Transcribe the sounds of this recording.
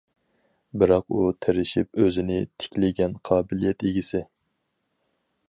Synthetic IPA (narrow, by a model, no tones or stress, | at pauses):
bɪɾɑqut̪ʰeɾɪʃip̚øzɪnɪt̪ʰɪ̥kʲlɪɡʲɛnqʰɑːbɪlijɛt̪eɡʲisɪ